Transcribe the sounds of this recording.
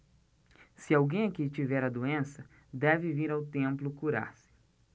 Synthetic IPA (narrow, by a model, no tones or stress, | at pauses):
sɪawɡẽj̃ɐkit͡ʃivɛɾɐd̪oẽsɐ | d̪ɛvɪviɾawt̪ẽmplʊkuɾa̰ɾsɪ̥